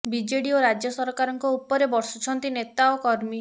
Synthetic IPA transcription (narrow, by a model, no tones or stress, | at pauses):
bid͡ʒeɽioɾad͡ʒjɔsɔɾkaɾɔŋkɔupɔɾebɔɾsut͡ʃʰɔnt̪inet̪aɔkɔɾmi